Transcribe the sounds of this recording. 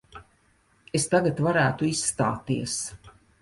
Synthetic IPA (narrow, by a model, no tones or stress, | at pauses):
est̪aɡat̪vaɾæːt̪uisːt̪a̰ːt̪iɛs